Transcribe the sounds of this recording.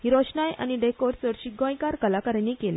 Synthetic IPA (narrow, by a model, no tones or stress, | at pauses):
hiɾɔɕnajʔa̰ñiɖekoɾt͡səɾɕiɡõjkaɾkəlakəɾenikelḛ